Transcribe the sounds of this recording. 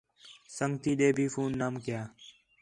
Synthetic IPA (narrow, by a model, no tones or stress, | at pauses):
səŋɡt̪iːɗeːbʱiːfuːnːaːmkjaː